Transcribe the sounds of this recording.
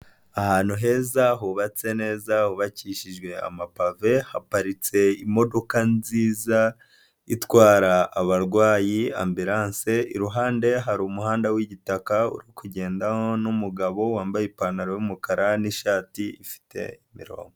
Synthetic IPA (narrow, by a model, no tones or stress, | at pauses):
ahaːnhuɦe̞ːzaɦuβat͡se̞ne̞ːzahuβaciːʃiʒɡwe̞a̰mapave̞hapaɾit͡se̞imo̞do̞kanziːza | itwaːɾaaβaɾɡwaːjia̰mbiɾaːnse̞iɾuɦaːnde̞ɦaɾumuɦaːndawiɟitakaṵɾikuɟe̞ːndaho̞numuɡaβo̞waːmbajipanaɾojumukaɾaniʃaːtiifi̥te̞̰imḭɾo̞̰ːmɡo